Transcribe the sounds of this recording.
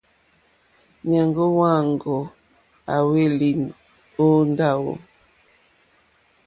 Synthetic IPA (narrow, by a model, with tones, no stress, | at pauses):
ɲa˨ŋɡo˦wa˦˨ŋ˨ɡo˨ | a˨we˦li˨ | o˦n˦da˦˨wo̰˨